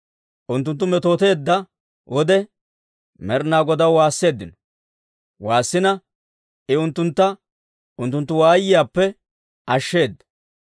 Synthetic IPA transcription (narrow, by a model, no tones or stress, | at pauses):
ʔʊnt̪ːʊnt̪ːʊmɛt̪o̞ːt̪e̞ːd̪ːɐ | wʔɔd̪ɛ | mɛɾnaːɡɔd̪ɐwwaːsːe̞ːd̪ːɪnɔ̥ | waːsːɪnɐ | ɪʊnt̪ːʊnt̪ːɐ | ʊnt̪ːʊnt̪ːʊwaːjːɪjaːpːɛ | ʔɐʃːe̞ːd̪ːɐ̥